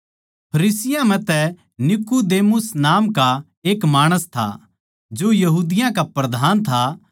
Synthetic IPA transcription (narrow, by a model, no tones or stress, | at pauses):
pʰɐɾiːsɪjãmɛ̃t̪ɛ | nɪkud̪eːmʊsnaːmka | eːkmaːɽ̃əst̪ʰa̰ | d͡ʒoːjɐɦuːd̪ɪjãkapɾɐd̪ʱaːnt̪ʰa